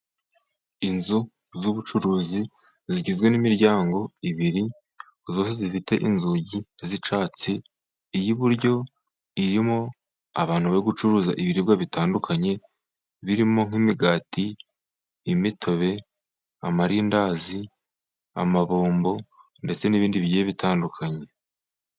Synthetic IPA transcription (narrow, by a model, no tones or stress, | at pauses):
inzu | zuβut͡ʃuɾuːzi | ziɟizɡwe̞nimiɾɟaːŋɡo̞iβiɾi | zo̞ːse̞zifite̞ʔinzuɟizit͡ʃaːt͡siː | jiβuɾɟo̞ | iɾimo̞ | a̰βaːn̥huβaoɡut͡ʃuɾuːza̰ʔiβiɾiβɡaβitaːndukʰaɲe̞ | βiɾimo̞ŋ̥imiɡaːtiː | mitʰo̞βe̞ | amaɾiːndaːzi | a̰maβoːmbo̞ | nde̞t͡se̞niβiːndiβjieβitʰaːndukʰaɲe̞